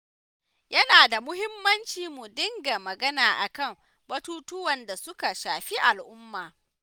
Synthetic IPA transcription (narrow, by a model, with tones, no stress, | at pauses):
jɐ˦naː˨da˨mʊ˦hɪ˦mːɐ˦nt͡ʃiː˨mu˨dɪ˦ŋɡa˨mɐ˨ɡɐ˦naː˨ʔa˨kɐ˦˨m | bɐ˦tuː˦tʊ˦wɐ˨nda˨sʊ˦ka˨ʃaː˨ɸi˦ʔa˨lʔʊ˦mːaː˨